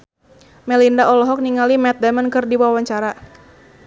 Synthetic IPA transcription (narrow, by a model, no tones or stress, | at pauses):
mɛlindaʔɔlɔɦɔk̚niŋalimɛt̪̚dɛmənkɨrdiwawaɲt͡ʃaɾa